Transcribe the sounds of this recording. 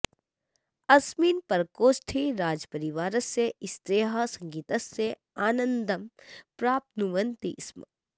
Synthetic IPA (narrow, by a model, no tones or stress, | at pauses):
ɐsmiːnpɐɾkoːsʈ̪ʰiɾaːd͡ʒpɐɾiʋaːɾɐsːeɪst̪ɾeːɦasɐ̃ŋɡiːt̪ɐsːe | aːnə̃nd̪ɐmpɾaːp̚t̪nuʋənt̪ḭsmɐ̰